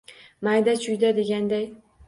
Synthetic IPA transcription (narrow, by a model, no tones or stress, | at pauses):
majd̪at͡ʃʰʊjd̪ad̪e̞ɡʲand̪aj